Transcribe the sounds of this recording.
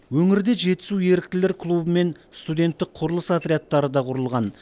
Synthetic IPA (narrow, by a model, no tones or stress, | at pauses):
wɵŋɪɾd̪eʒe̞t̪ɪ̥suwje̞ɾɪk̚t̪ɪleɾkʰlˠubəme̞nst̪ud̪ʲe̞nt̪ːɪk̚qʰʊɾəlˠəsat̪ɾʲejat̪ːɑɾəd̪ɑqʰʊɾəlˠʁɑn